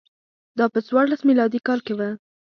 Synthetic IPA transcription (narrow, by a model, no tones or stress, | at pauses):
d̪ɑpət͡swɑɾlasmilɑd̪ikɑlkewa